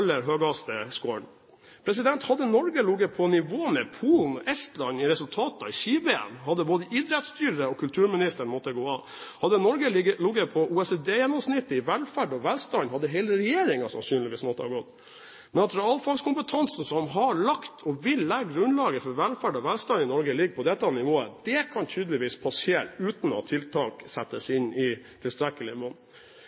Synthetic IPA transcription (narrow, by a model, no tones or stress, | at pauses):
lːəɾɦøːɡɑst̪əskoːɳ | pʰɾɛs̬ɪd̪ɛnt̪hɑd̪ːənɔɾɡəlʊɡəpʰɔnɪʋoːmɛpʰuːln̩ɔʔɛst̪lɑnɪɾɛsʉlt̪ʰɑːt̪ɑɪʃiːbeːɛ̰nɦɑd̪ːəboːd̪əid̪ɾɛt̪st̪yːɾəɔkʰʉlt̪ʰʉːɾmɪnɪst̪əɳmɔt̪ːəɡoːɑ | hɑd̪ːənɔɾɡəəlʊɡəpʰɔʔuːɛsed̪eːjɛnːɔmsnɪt̪ːəɪʋɛlfæɖɔʋɛlst̪ɑnhɑd̪ːəɦɛːləɾɛjeːɾɪŋɑsɑ̰nsyːnlɪʋiːsmɔt̪ːəhɑ̰ɾɡɔt̪ | mɛnɑt̪ɾɑːlfɑlskʰʊmpət̪ʰɑnsn̩sɔmɦɑɭɑkt̪ʰɔʋɪlːæɡɡɾʉnlɑːɡəfɔɾʋɛlfæɖɔʋɛlst̪ɑnɪnɔɾɡəlɪɡːpʰɔd̪ɛt̪ːɑnɪʋoːə̰d̪ɛkʰɑnt̪ʰyːd̪əlɪʋiːspʰɑsɪɛɾʉːt̪n̩ɔ̰t̪ʰɪlt̪ʰɑːksɛt̪ːəsɪnɪt̪ʰɪlst̪ɾɛkːəlɪmɔnː